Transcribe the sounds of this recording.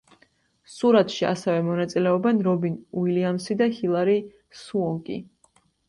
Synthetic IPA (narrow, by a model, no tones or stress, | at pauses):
suɾat̪ʰʃia̰sɛvɛmɔnat̪sʼilɛɔbɛnɾɔbinuiliamsid̪ahilˠaɾi | suɔŋkʼḭ